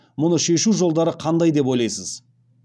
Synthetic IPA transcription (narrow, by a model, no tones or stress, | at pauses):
mʊnəʃe̞ʃuwʒo̞lˠd̪ɑɾəqʰɑnd̪ɑjd̪e̞p̬o̞jlˠɑjsəz̥